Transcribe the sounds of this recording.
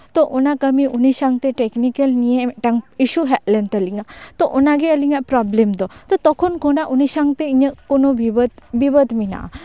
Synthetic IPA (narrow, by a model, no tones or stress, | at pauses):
t̪ɔʔonakəmiʔuniʃaŋɡt̪eʈeknikəlnijemʈaŋiʃuɦɛʔlent̪əliŋɡat̪ɔʔunaɡeəliŋaʔpɾɔblemd̪ɔt̪ɔt̪ɔkʰonkonaʔunisaŋɡt̪eiɲəkonobiʋət̪biʋəd̪mina̰ʔa̰